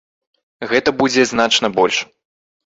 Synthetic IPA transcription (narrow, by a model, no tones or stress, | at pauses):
ɣɛt̪ɐbud͡zʲɛznat͡ʂnɐbɔlʲʂ